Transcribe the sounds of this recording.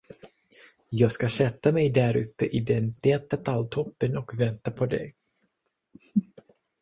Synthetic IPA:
jɑːɡskasɛt̪ːamɛjd̪æɾɵpːəʔɪd̪ɛnt̪eːt̪at̪ʰalt̪ʰɔpːənɔkvɛnt̪apʰɔd̪ɛ̰

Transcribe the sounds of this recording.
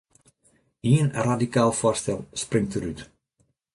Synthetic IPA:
iənradikaːlˠfoːɹstɛlˠsprɪŋtəɾyt

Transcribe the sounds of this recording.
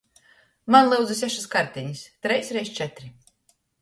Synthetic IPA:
manlˠɨwd̪zɨsʲɛʃiskaɾt̪ʲɛɲist̪ɾɛjsʲɾɛjst͡ʃɛt̪ɾi

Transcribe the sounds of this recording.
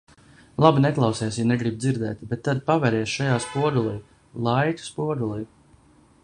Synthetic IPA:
lˠabinɛklˠɑwsɛːsjanɛɡɾibd̪ziɾd̪ɛ̰ːt̪bet̪ːad̪pavɛɾɛɛsʃajaːspuɔd̪ulˠɛj | lˠajt̪ʲu̥spuɔd̪ulˠij

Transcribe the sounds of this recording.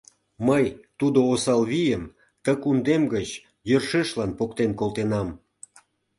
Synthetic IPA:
məjt̪ud̪oːsɑlβijəm | t̪əkund̪emɡət͡ɕ | jərʃeʃlɑnpokt̪enkolt̪enɑm

